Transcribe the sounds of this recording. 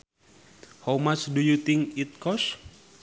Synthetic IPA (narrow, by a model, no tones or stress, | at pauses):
homasdujut̪iŋit̪̚kɔs